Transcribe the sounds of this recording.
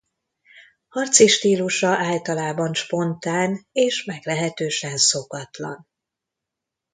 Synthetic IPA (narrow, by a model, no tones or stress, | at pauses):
hɒrt̪siʃt̪iːluʃɒʔaːlt̪ɒlaːbɒnʃpo̞nt̪aːneːʃmɛɡlɛɦɛt̪øːʃɛnso̞kɒt̪lɒ̰n